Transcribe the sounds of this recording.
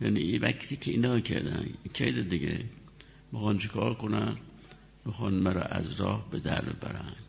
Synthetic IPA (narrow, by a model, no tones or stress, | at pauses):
jæniivækt̪ʰikʰeinɒːkʰeɾd̪ænkʰed̪ed̪iɡe | mixɑnt͡ʃʰekʰɒːɾkonæn | mixɒnmæɾɒ̰ʔæzɾɒːhbed̪æɾb̪ebæɾæn̥